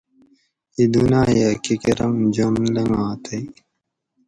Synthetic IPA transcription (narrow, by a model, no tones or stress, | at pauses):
id̪unaːjakikeɾɐŋd͡ʑɐmlɐŋaːt̪ʰɐj